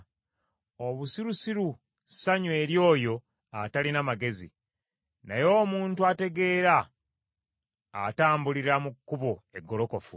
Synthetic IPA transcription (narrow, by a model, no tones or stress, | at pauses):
oβusiɾusiɾu | saɲwe̞ːɾjo̞ːjo̞ | atalinamaɡe̞zḭ | najo̞ːmuːntuate̞ɡe̞ːɾa | taːmbuliɾamukːuβo̞e̞ɡːo̞lo̞ko̞fu